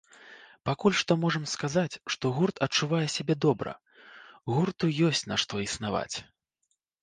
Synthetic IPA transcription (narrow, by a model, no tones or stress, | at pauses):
pakulʲʂt̪ɔmɔʐɐmskazat͡sʲʂt̪ɔɣurt̪ʰɐt͡ʂːuvajɛsʲabʲɛd̪ɔbɾɐ̰ | ɣurt̪ujɔsʲt͡sʲnaʂt̪ɔisnava̰t͡sʲ